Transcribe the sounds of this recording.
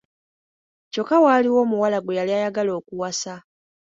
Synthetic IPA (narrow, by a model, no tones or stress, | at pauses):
co̞kawaːliwo̞ːmuwalaɡwe̞jaliajaɡalo̞ːkuwasa